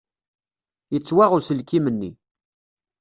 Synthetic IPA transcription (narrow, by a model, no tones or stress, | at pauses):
jət͡sːwæʁʊsəlkimənːḭ